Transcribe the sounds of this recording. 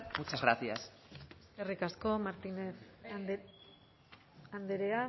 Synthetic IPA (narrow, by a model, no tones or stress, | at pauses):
mut͡ʃazɣɾat̪ias | eserikasko̞maɾt̪ineθ | and̪eɾea